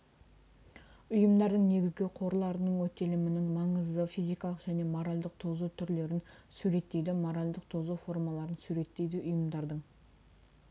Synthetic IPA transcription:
ʊjəmd̪ɑɾd̪əɴne̞ɡʲɪzɡʲɪqʰo̞ɾlˠɑɾənəɴwɵt̪ːe̞lɪmɪnɪŋmɑɴəzd̪əfijzijkɑlˠəqʒ̥æne̞mo̞ɾalʲd̪əq̚t̪ʰo̞zut̪ʰʏɾle̞ɾɪnsʉɾe̞t̪ːe̞jd̪ɪmo̞ɾalʲd̪əq̚t̪ʰo̞zuwfo̞ɾmɑlˠɑɾənsʉɾe̞t̪ːe̞jd̪ɪʔʊjəmd̪ɑɾd̪əɴ

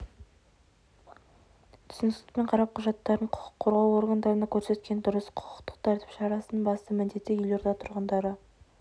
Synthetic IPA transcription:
t̪ʰʏ̥sɪnɪsɪkpe̞ɴqʰɑɾɑp̚qʰʊʒɑt̪ːɑɾəɴqʰʊ̥qʰʊ̥qʰːo̞ɾʁɑwo̞ɾɡand̪ɑɾənɑkʲʰɵɾse̞t̪kʲe̞nd̪ʊɾəsqʰʊ̥qʰə̥qt̪ə̥qt̪ʰæɾt̪ɪ̥pʃɑɾɑsənəbɑst̪əmɪnd̪e̞t̪ːejʏle̞ɾd̪ɑt̪ʰʊɾʁənd̪ɑɾə

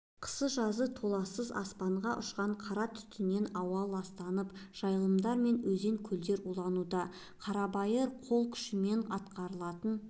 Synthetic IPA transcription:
qʰə̥səʒɑzət̪ʰo̞lˠɑsəzɑ̰spɑɴʁɑʔʊʃqɑɴqʰɑɾɑt̪ʰʏ̥t̪ɪne̞nɑwɑlˠɑst̪ɑnəpʒ̥ɑjlˠəmd̪ɑɾme̞nwɵze̞ŋkʲʰɵld̪e̞ɾulˠɑnud̪ɑ | qʰɑɾɑbɑjəɾqʰo̞lˠkʲʰʏ̥ʃɪme̞ɴɑt̪qɑɾəlˠɑt̪ən

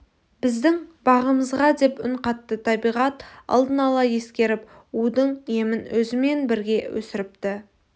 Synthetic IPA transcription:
b̥ɪzd̪ɪŋbɑʁəməzʁɑd̪e̞pʏɴqɑt̪ːət̪ʰɑbijʁɑt̪ɑ̰lˠd̪ənɑlˠɑje̞skʲe̞ɾɪpud̪əɴje̞mɪnwɵzɪme̞nbɪɾɡʲe̞wɵ̰sɪɾɪp̚t̪ɪ

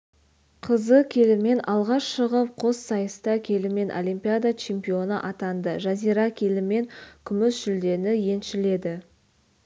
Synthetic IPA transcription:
qʰəzəkʲʰe̞lɪme̞nʔɑlˠʁɑʃʃəʁəp̚qʰo̞ssɑjəst̪ɑkʲʰe̞lɪme̞nʔo̰lʲijmpijad̪at͡ʃʰempio̞nəʔɑt̪ɑnd̪əʒazijɾɑkʲʰe̞lɪme̞ŋkʲʰʏmʏsʒ̥ʏld̪e̞nɪje̞nʃɪle̞d̪ɪ

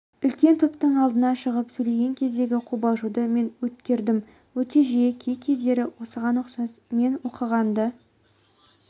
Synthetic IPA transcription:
ʏlkʲe̞nt̪ʰʊpt̪əɴɑlˠd̪ənɑʃəʁəpsɵjle̞ɡʲe̞ŋkʲʰe̞zd̪e̞ɡʲɪqʰubɑʒud̪əme̞nwɵt̪kʲe̞ɾd̪ɪm | wɵt̪e̞ʒijekʲʰejkʲʰe̞zd̪e̞ɾɪwo̞səʁɑnʊqsɑsme̞nwo̞qəʁɑnd̪ə

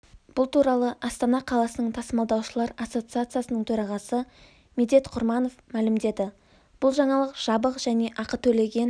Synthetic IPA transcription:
b̥ʊlˠt̪uɾɑlˠəʔɑst̪ɑnɑqʰɑlˠɑsənəɴt̪ʰɑsəmɑlˠd̪ɑwʃəlˠɑɾɑsːo̞t̪sɨat̪sɨjasənəɴt̪ʰɵɾɑʁɑsə | med̪e̞t̪qʰʊɾmɑno̞fmælɪmd̪e̞d̪ɪ | b̥ʊlˠʒɑɴɑlˠəqʒ̥ɑbəqʒæne̞ʔɑqət̪ʰɵle̞ɡʲe̞n

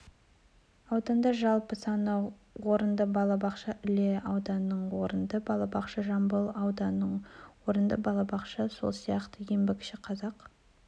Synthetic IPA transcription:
ɑwd̪ɑnd̪ɑʒɑlˠpəsɑnə | wo̞ɾənd̪əbɑlˠɑbɑqʃɑʔʏle̞ɑwd̪ɑnːəɴwoɾənd̪əbɑlˠɑbɑqʃɑʒɑmbəlˠɑwd̪ɑnəɴwo̞ɾənd̪əbɑlˠɑbɑqʃɑso̞̰lˠsijɑqt̪əjembekʲʃɪqʰɑzɑq

